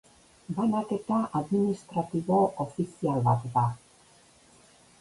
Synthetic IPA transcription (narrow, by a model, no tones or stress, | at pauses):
banake̞t̪aʔaðminist̪ɾat̪iβo̞ʔofisialβat̪ða